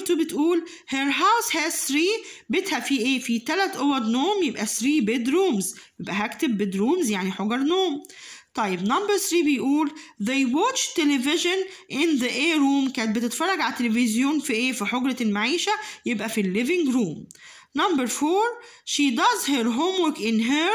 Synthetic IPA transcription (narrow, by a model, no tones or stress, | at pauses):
t̪ubet̪ʔuːl | heɾɦawshæːzθɾiːbet̪hæbfiʔeːfit̪ælæt̪ʔowɑɾˤnoːmjebʔæsɾiːbed̪ɾuːmzjjebʔæɦækt̪ebːed̪ɾuːmzjaʕniħoɡɑɾˤnoːmt̪ˤɑjːebnɑmbɑɾθɾiːbejʔuːlðejwot͡ʃt̪elevɪʒanʔɪnðəʔeːɾuːmkæːnet̪̚bet̪ɪt̪fɑrˤːɑɡʕalt̪ːelevɪzjoːnfiʔeːfiħoɡɾɑlmaʕiːʃæjebʔæfilːɪvɪŋɡɾuːm | nɑmbəɾfoːɾ | ʃid̪ɑzɦeɾɦomwokʔɪnɦe